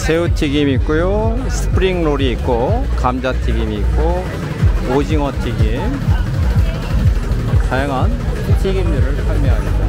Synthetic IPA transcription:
sʰe̞utʰiɡimːk͈ujosʰɯ̥pʰɾiŋnoɾiːk͈̚okamd͡ʑatʰiɡimiːk͈o | od͡ʑiŋʌtʰiɡim | tajaŋɦantʰiɡimdɯɾɯɭpʰaɭmjʌɦamɲida

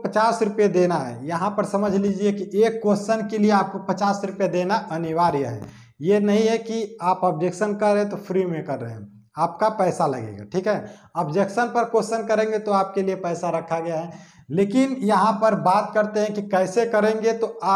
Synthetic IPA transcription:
pət͡ʃaːsɾʊpjed̪eːnaɦɛ̰jɐɦãpəɾsɐməd͡ʒʱlid͡ʒiekiʔeːkːoːsənkelieaːp̚kopət͡ʃaːsɾʊpjed̪enaʔɐniʋaːɾjəɦɛ̰ː | jenɐɦĩɦɛkiaːpəb̚d͡ʒeːkʃənkəɾːeẽt̪opʰɾimẽkɐɾːə̰ɦeɦɛ̰̃ | aːpkapɛːsalɐɡḛ̃ːɡa̰ʈʰiːkɦɛəbd͡ʒeːksənpəɾkosənkəɾẽŋɡet̪oaːp̚keliepɛːsaɾəkʰaɡɐjaɦɛ | leːkɪnjɐɦãpəɾbaːt̪̚kəɾt̪eɦɛ̃kikɛɪsekəɾẽŋɡet̪oaː

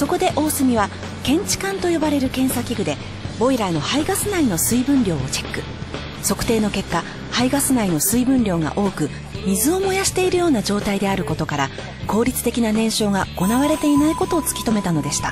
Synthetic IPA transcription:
so̞ko̞d̪e̞ʔo̞ːsɨmʲiβa | kẽ̞ɲ̟t͡ɕi̥kãnt̪o̞jo̞baɾe̞ɾɯ̟kẽ̞ɰ̃sakʲiɡɯ̟d̪e̞ | bo̞iɾaino̞haiɡasɨnaino̞sɨibɯ̟̃nɾʲo̞ːot͡ɕe̞̥kːɯ̟ | so̞kɯ̟̥t̪e̞ːno̞ke̞kːa | haiɡasɨnaino̞sɨibɯ̟̃nɾʲo̞ːɡa̰ʔo̞ːkɯ̟ | mʲizɨo̞mo̞jaɕi̥t̪e̞iɾɯ̟jo̞ːnad͡ʑo̞ːt̪aid̪e̞aɾɯ̟ko̞t̪o̞kaɾa | ko̞ːɾʲit͡sɨ̥t̪e̞kʲinanẽ̞ɰ̃ɕo̞ːɡaɡ̥o̞naβaɾe̞t̪e̞inaiko̞t̪o̞ːt͡sɨ̥kʲi̥t̪o̞me̞t̪ano̞d̪e̞ɕi̥t̪ḁ

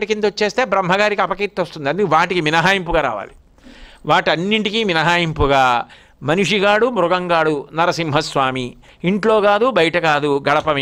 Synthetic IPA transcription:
ʈikind̪uot͡ʃːe̞ːst̪e̞ːbɾɐmɦɐɡaːɾikiɐpɐkiːt̪ːost̪und̪iɐnd̪kʋaːʈikiminɐɦaːjimpuɡaːɾa̰ːʋa̰ːli | ʋaːʈiɐnːiɳʈikiːminɐɦaːjimpuɡaː | mɐniʂiɡaːɽumɾʊɡɐŋɡaːɽunɐɾɐsimɦɐsʋaːmi | iɳʈlo̞ːɡaːd̪ubɐjɐʈɐkaːd̪uɡɐɽɐpɐmi

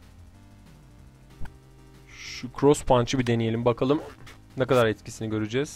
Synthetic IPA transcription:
ʃukʰɾospʰant͡ʃʰɯbid̪e̞nijeimbakʰalˠɯm | nɛkad̪aɾɛt̪cʰisiniɟø̞ɾyd͡ʒɛːz̥

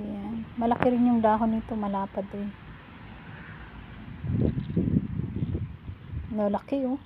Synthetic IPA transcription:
janmɐlɐkɪɾɪnjʊŋd̪aːɦonit̪omɐlaːpɐd̪ɪj | nolɐkɪo

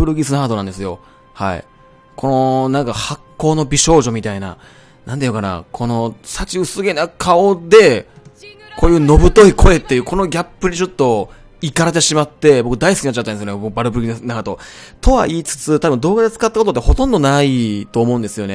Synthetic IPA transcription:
ɯ̟ɾɯ̟ɡʲisɨnaɡat̪o̞nãnd̪e̞sɨjo̞ | ha̰ḭ | kʰo̞no̞nãŋkahakːo̞ːno̞bʲiɕo̞ːʑo̞mʲit̪aina̰ | nãnejokana̰kʰo̞no̞sat͡ɕiɯ̟sɨɡʲenakʰao̞d̪e̞ | kʰo̞ːjɯ̟ːno̞bɯ̟t̪o̞ikʰo̞e̞t̪ːe̞jɯ̟ko̞no̞ɡʲapːɯ̟ɲ̟id͡ʑo̞t̪ːo̞ | ikaɾad̪e̞ɕimat̪ːe̞bo̞kɯ̟d̪aisɨkiat͡ɕːat̪ːanesjoebokɯbaɾɯ̟bɯ̟ɾɯ̟ɡisnaɡat̪o̞t̪ʰo̞βa̰ʔiːt͡sɨ̥t͡sɨt̪abɯ̟̃nd̪o̞ːɡad̪et͡sɨ̥kat̪ːako̞t̪o̞t̪ːeho̞t̪õnd̪o̞nait̪o̞ːmo̞ɯ̟̃nd̪esɨjo̞ne̞

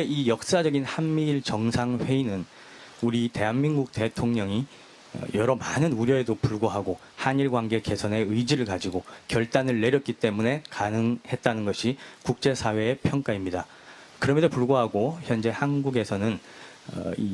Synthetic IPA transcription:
eijʌk̚s͈ad͡ʑʌɡinhanmiːɭt͡ɕʌŋsʰaŋɸwe̞inɯn | uɾite̞ɦanminɡuk̚te̞tʰoŋɲʌŋi | ʌ̰jʌɾʌmanɯnuɾjʌe̞dopuɭɡoɦaɡo | haɲiɭɡwanɡe̞ke̞sʰʌne̞ɯid͡ʑiɾɯɭkad͡ʑiɡokjʌɭt͈anɯɭːe̞ɾjʌt̚k͈it͈e̞mune̞kanɯŋhe̞t̚t͈anɯnɡʌɕʰikuk̚t͡ɕ͈e̞sʰawe̞ːpʰjʌŋk͈aimɲida | kɯɾʌmensʰopuɭɡoɦaɡoçjʌnd͡ʑe̞hanɡuɡe̞sʰʌnɯn̰ | i

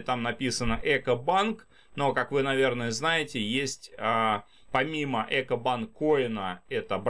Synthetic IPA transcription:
t̪amnɐpʲisənəʔɛkəbank | no̞kakvɨnɐvʲe̞rnəjəznajɪtʲɪjesʲtʲa | pɐmʲiməʔɛkəbankːoɪnəɛt̪əb

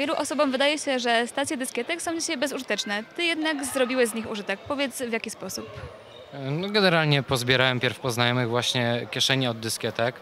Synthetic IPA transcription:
vʲjɛluʔɔsɔbɔmvɘd̪ajɛɕɛʐɛst̪at̪sʲjɛd̪ɘskʲjɛt̪ɛksɔ̃w̃d͡ʑiɕajbɛzuʐɘt̪ɛt͡ʂnɛt̪ɘjɛd̪naɡzɾɔbʲiwɛzɲixuʐɘt̪ɛk̚pɔvʲjɛt̪svʲjakʲispɔsup | nɔɡɛnɛɾalɲɛpɔzbʲjɛɾawɛmpʲjɛɾfpɔznajɔmɘɣvwaɕɲɛkʲjɛʂɛɲɛɔd̪̚ːɘskʲjɛt̪ɛk

